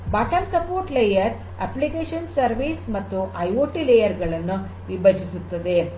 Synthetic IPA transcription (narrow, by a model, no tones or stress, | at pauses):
baʈʰɐmsɐpoːɾʈlejɐɾ | æ̰plikeʃɐnsɐɾʋismɐt̪ːuʔɐjoʈilejɐɾɡɐɭɐnːu | ʋibɐd͡ʒʱisut̪ːɐd̪e